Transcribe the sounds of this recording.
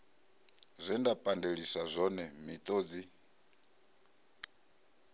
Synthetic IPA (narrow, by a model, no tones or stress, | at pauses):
zʷindapʼandeɺisazʷɔnɛmit̪ʼoːd͡zi